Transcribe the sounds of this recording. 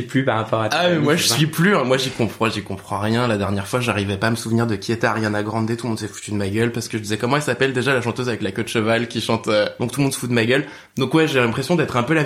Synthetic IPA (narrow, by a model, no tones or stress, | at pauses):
iplypaʁapɔʁat̪aɛmmwaʒəsɥiplyɛ̃mwaʒikɔ̃pχɑ̃ʒikɔ̃pχɑ̃ʁjɛ̃lad̪ɛʁnjɛʁfwaʒaʁivɛpaːməsuvniʁd̪əkʲʰiet̪ɛaʁjanaɡʁɑ̃d̪et̪ulmɔ̃d̪sɛfu̥t̪yd̪əmaɡʲœlpaʁsə̥kəʒəd̪izɛkɔmɑ̃ɛlsapɛld̪eʒalaʃɑ̃t̪øzavɛklakɔd̪ʃəvalkʲiʃɑ̃t̪ød̪ɔ̃kt̪ulmɔ̃d̪sə̥fut̪əmaɡʲœl | d̪ɔ̃kwɛʒelɛ̃pχesjɔ̃d̪ɛt̪χɛ̃pøla